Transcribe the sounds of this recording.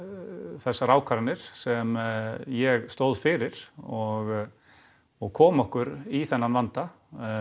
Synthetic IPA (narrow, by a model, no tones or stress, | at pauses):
θɛsːaɾaːwkʰaɾanɪɾ̥sɛmjɛɣst̪owðfɪɾɪɾ̥ɔɣ | ɔɣkʰɔːmɔhkʏɾiθɛnːanvant̪a